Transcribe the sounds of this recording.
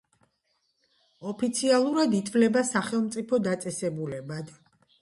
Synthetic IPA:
ɔpʰit̪sʰialˠuɾad̪it̪ʰvlɛbasaχɛlˠmt̪sʼipʰɔd̪at̪sʼɛsɛbulɛbad̪̥

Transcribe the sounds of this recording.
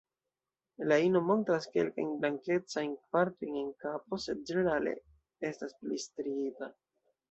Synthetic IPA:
laino̞mo̞ntɾaske̞̰lka̰jnblaŋke̞t͡sajnpaɾto̞jne̞nkap̚o̞se̞d̚d͡ʒe̞ne̞ɾale̞̰ | e̞stasplistɾiita

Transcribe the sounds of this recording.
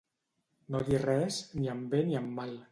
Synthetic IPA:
nod̪irɛsniəmbeniəmːal

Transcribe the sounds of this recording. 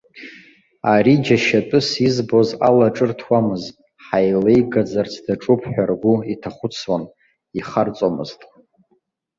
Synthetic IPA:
aɾid͡ʒaʃatʼɨsizbo̞zalaʈ͡ʂʼɨrtʰwamɨztʼ | ħajlejɡad͡zart͡sʰdaʈ͡ʂʼupʰħʷᶣarɡʷʊitʰaχʷʊt͡sʰwan | iχart͡sʼomɨ̰ztʼ

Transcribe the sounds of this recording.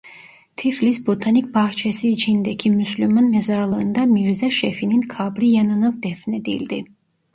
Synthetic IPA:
t̪ʰiflisbɔt̪ʰanik̚ʰbaht͡ʃʰɛsid͡ʒʰind̪ɛkʰimuslimanmɛzaɾlˠənd̪amiɾzɛʃɛfininkʰabɾiɛnɔnɔvd̪ɛfnɛd̪ḭld̪i

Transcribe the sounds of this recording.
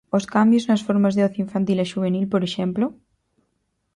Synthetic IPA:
oskambjoznasfoɾmazðeoθiiɱfant̪ileʃuβ̞enilpoɾeʃemplo

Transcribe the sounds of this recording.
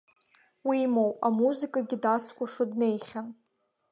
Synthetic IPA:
wimowamuzɨkʼaɡʲidat͡sʰkʷaʂɨdne̞jχʲan

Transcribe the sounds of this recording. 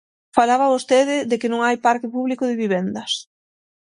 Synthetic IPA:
falaβaβost̪eðɪðekɪnõŋajpaɾkɪpuβlikʊðɪβiβ̞end̪ɐs

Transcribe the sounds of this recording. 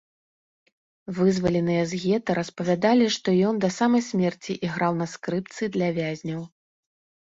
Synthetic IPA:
vɨzvɐlʲɛnɨjɛzɣʲɛt̪ɐɾɐspɐvʲad̪alʲiʂt̪ɔjɔnd̪ɐsamɐjsʲmʲɛrt͡sʲiʔiɣɾawn̪ɐskɾɨp̚t̪sɨd̪lʲɐvʲazʲnʲɐw

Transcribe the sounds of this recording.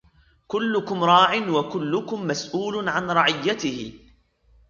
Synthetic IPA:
kʊlːʊkʊmɾˤɑːʕɪnwakʊlːʊkʊmːasʔuːlʊʕanɾˤɑʕɪjːat̪ɪhɪ

